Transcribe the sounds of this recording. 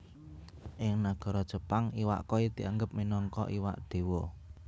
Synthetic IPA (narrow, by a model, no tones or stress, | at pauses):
ʔɪŋnaɡ̥ɔ̤ɾɔ̥ʒ̥əpaŋiwa̰ʔkoid̪̥i̤ʔaŋɡəp̚minɔŋkɔ̰ʔiwa̰ʔd̪̥e̤wɔ